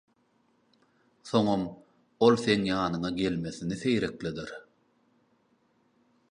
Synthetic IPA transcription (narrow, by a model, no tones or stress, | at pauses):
θo̞ŋom | o̞lˠθe̞ŋjɑːnɯŋɑɡe̞lme̞θiniθe̞jɾe̞klid̪iɾ